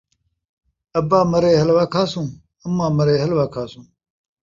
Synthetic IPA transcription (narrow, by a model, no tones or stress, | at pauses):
ɐbaːmɐɾeːɦɐlʋaːkʰaːsũː | ɐmːãːmɐɾeːɦɐlʋaːkʰaːsũː